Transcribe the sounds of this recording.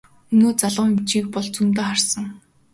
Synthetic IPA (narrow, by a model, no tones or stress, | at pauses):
ɵnoːt͡saɮʁʊːŋemt͡ɕiːk̚pɔɮt͡sumt̪eːχarsə̆ŋ